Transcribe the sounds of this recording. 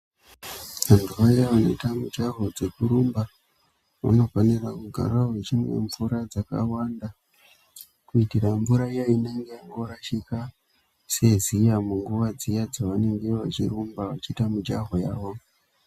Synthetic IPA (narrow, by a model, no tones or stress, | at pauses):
ʋantʰuʋajaʋano̞itamud͡ʒaɦo̞d͡ze̞kuɾumba | ʋa̰no̞fanirakuɡʱa̰ɾaɦet͡ʃimwe̞̰ɱvuɾad͡zaka̰wanda | kuitiraɱvuɾaijaine̞ŋɡejaŋɡoɾaʃika | se̞zijamuŋɡuʋad͡zijad͡zaʋane̞ŋɡe̞ʋat͡ʃḭɾumbawat͡ʃitamud͡ʒaɦo̞jaːwo̞